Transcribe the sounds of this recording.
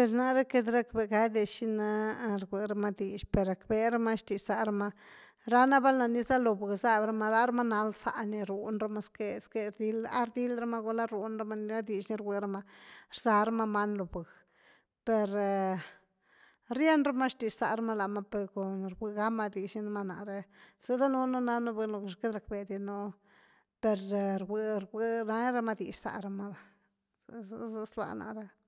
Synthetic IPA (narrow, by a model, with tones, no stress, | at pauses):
pe˨ɾna˦ɾe˦ke˧d̪ɾa˦k̚be˧˨ɡa˧jd̪e˧ʃi˦na˧ɾɡʷe˨ɾa˦ma˦d̪i˨ʃpe˨ɾa˨kbe˧ɾa˦ma˦ʃt̪i˨ʃsa˨ɾa˦ma˦˧ | ɾa˦na˦ba˦lna˨ni˦za˦lo˨bɨ˨ɡza˦bɾa˧ma˧ɾa˦ɾa˦ma˦na˧lsa̰˧ni˧ɾu˨nɾa˦ma˦ske˧ske˧ɾd̪i˦la̰˦ɾd̪i˦lɾa˦ma˦ɡo˧la˦ɾu˨nɾa˦ma˦ni˧la˦d̪i˨ʃni˧˦ɾɡʷe˨ɾa˦ma˧ɾza˧ɾa˦ma˦ma˦nlo˨bɨ˨ɡ | pe˨ɾ | ɾje˦nɾa˦ma˦ʂt̪i˨ʃsa˨ɾa˦ma˦la˨ma˦pe˧ko˨nɾɡʷi˧ɡa˦ma˦d̪i˨ʂni˧na˧ma˧na̰˨ɾe˧z̥e˦d̪a˦nu˦no˦na˦no˦be˧lo˨ʃke˦d̪ɾa˨k̚be˨d̪i˧no˦ | pe˨ɾɾwe˧ɾɡe˧˦na˦ɾa˦ma˦d̪ḭ˨ʃsa̰˨ɾa˧ma˦a˨ | zza˧slwa̰˧˨na̰˨ɾe˦